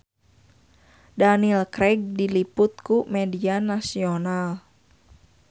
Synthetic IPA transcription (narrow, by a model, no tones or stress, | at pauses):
danilkɾɛɡ̚dilipʊt̪̚kumɛdianasional